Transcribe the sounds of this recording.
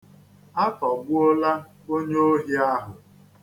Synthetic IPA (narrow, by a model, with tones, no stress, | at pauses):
a˦kɔ˨ɡʊ˦o˦la˦ | o˦ɲe˦o˦ɦi˦a˦ɦʊ˨